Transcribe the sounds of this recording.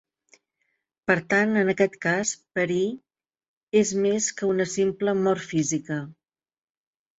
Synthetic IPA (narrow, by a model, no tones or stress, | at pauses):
pəɾt̪anənəkɛt̪kaspəɾi | ezmeskəunəsimpləmɔrfizikə